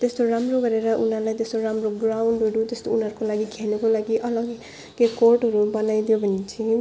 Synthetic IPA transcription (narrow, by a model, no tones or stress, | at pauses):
t̪est̪oɾamroɡʌɾeɾʌʔunɦʌɾlajt̪est̪oɾamroɡrawɳɖɦʌɽut̪est̪ounɦʌɾukolaɡikʰenukolaɡiʔʌlʌɡ | ɡekorʈɦʌɾubʌnajd̪ijobʱʌnet͡sʰi